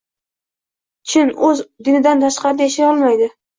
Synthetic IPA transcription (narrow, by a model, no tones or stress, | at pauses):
t͡ʃʰɪnɵzd̪ɪnɪd̪ant̪ʰaʃqɑɾjaʃajɒlˠmajd̪ɪ